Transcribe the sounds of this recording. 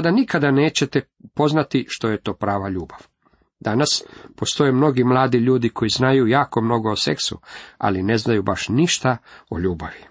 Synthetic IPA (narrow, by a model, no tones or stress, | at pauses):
ad̪anikad̪aneːt͡ɕe̞t̪e | po̞znat̪iʃt̪o̞je̞t̪o̞ːpɾaːʋaʎuːbaʋ | d̪anaspo̞st̪o̞jemno̞ɡimlˠaːd̪iʎuːd̪ikʰo̞jiznajujaːko̞mno̞ɡo̞ːse̞̰ksṵa̰line̞znajubaʃniʃt̪ao̰ʎuːbaʋi